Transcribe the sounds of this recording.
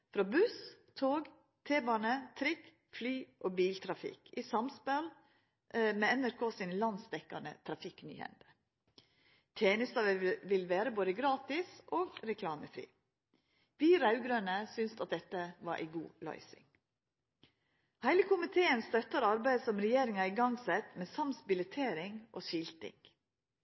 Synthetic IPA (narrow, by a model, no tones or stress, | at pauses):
fɾɑːbʉs | t̪ʰoːɡ | t̪ʰeːbɑːnət̪ʰɾɪk | flyːʔoːbiːlt̪ʰɾɑfɪ̰kʰisɑmspɛl | meːɛnæɾkʰoːsɪnlɑnsd̪ɛkːɑ̰nə̰t̪ʰɾɑfɪkny̰ːhɛ̰nt̪ə̥ | t̪ʰjeːnəst̪ɑːʋəʋɪlʋeːɾəboːd̪əɡɾɑːt̪ɪsʔoːɡɾɛkʰlɑːməfɾḭː | ʋiːɾɑʉɡɾøːnəsʏnsɑt̪̚d̪ɛt̪ːəʋɑɾʔæ̰ɪɡuːlɑ̰ʏsɪ̰ŋ | hæɪləkʰʊmɪt̪ʰeːənst̪œt̪ːəɾɑɾbæɪd̪sɔmɾɛjeːɾɪŋɑɪɡɑŋsɛt̪mɛːsɑmsbɪlɛt̪ʰeːɾɪŋʔo̰ːʃɪlt̪ɪ̰ŋ